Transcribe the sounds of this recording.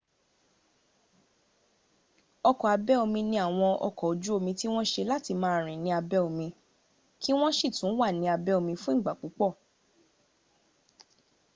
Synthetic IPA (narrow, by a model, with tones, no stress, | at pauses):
ɔ˧kɔ˨a˧bɛ˦o˧mĩ˧nĩ˧a˨w̃ɔ̃˧ʔɔ̰˧kɔ˨o˨˦d͡ʒu˦o˧mĩ˧ti˦w̃ɔ̃˦ʃe˧la˦ti˧˨mãː˦˧˦ɾ̃ĩ˨nĩ˧a˧bɛ˦o˧mĩ˧ | ki˦w̃ɔ̃˦ʃi˦˨tũ˨˦wa˦˨nĩ˨˧˦a˧bɛ˦o˧mĩ˧fũ˦ĩ˦˨ɡ͡ba˨k͡po˨˦k͡pɔ˦˨